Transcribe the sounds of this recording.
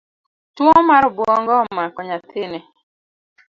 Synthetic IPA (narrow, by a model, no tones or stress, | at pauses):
twɔmaɾɔbwɔŋɡɔmakɔɲat̪ɪnɛ